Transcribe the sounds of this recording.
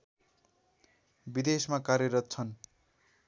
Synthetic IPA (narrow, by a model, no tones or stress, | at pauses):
bid̪esmakarjʌɾʌt̪̚t͡sʰʌn